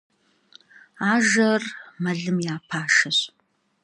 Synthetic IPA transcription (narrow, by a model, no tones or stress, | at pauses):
aːʒɐrmɐɮɨmjaːpʰaːʃɐɕ